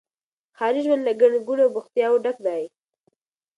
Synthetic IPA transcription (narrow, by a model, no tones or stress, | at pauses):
xɑɾɪd͡ʒwənlaɡaɽɡuɽawbʊxt̪jɑwoɖak̚d̪ɑji